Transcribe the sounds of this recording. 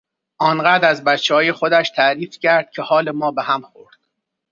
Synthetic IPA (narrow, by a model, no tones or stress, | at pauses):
ʔɒːnɢæːd̪ɾæzbæt̪t͡ʃʰːehɒːje̞xod̪æʃt̪ʰæɾiːfcʰæɾd̪̥̚cʰehɒːle̞mɒːbehæmxoɾd̪̥